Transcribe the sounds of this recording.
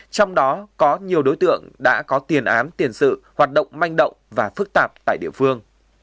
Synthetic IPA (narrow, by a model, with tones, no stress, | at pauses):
t͡ɕɔ˧wŋ͡mɗɔ˨˦kɔ˨˦ɲi˨˩əwɗo˨˦jt̪ɨ̰˧˨əŋɗa̰ː˧˥kɔ˨˦t̪i˨˩ənʔaː˨˦nt̪i˨˩ənsɨ̰˧˨hwaː˨˩t̚ɗə̰˧˨wŋ͡mma˧jŋ̟ɗə̰˧˨wŋ͡mvaː˨˩fɨ˦˥k̚t̪aː˨˩p̚t̪a̰ː˧˨jɗḭ˧əfɨ˧əŋ